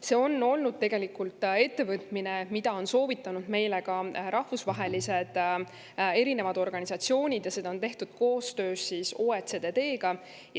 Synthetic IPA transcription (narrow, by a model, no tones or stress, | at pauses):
se̞ːo̞nːo̞lnud̪̥̚t̪e̞ɡe̞likːult̪ːˑe̞t̪ːe̞vɤt̪ˑmine̞mid̪̥ɑo̞nso̞ːvit̪ːˑɑnud̪̥me̞jle̞kɑɾɑhvusvɑɦe̞lise̞d̪̥ | e̞ɾine̞vɑd̪̥o̞rɡ̥ɑnʲisɑt̪sio̞ːnʲid̪̥jɑse̞d̪ɑont̪e̞ht̪ud̪̥̚ko̞ːst̪ø̞ːsːiːso̞ːet̪sed̪e̞d̪e̞ːɡ̥ɑ | j